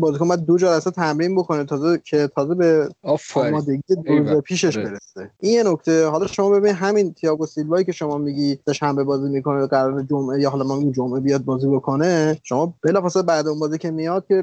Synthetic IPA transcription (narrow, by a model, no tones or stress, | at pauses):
bɒːzikonmbæd̪̚d̪od͡ʒɒːɾæset̪ʰæmɾiːnbo̞kʰo̞net̪ʰɒːzekʰe̞t̪ʰɒːze̞be̞fɒːmɒːd̪e̞ɟijed̪oɾuzepʰiːʃe̞ʃbe̞ɾeseʔinjenokt̪ʰeɦɒlɒʃo̞mɒːbe̞biniɦæmint̪ʰejɒːɡosilvɒːjiːcʰe̞ʃo̞mɒːmiɟiːse̞ʃæmbe̞bɒːziːmikʰo̞neɡæɾɒːɾed͡ʒomʔejɒːɦɒlɒmɒmiɡimd͡ʒomʔe̞bijɒːd̪̚bɒːzibo̞kʰo̞neʃo̞mɒːb̥e̞lɒːfɒːseebæd̪unbɒːzicʰe̞mijɒd̪̚kʲʰe̞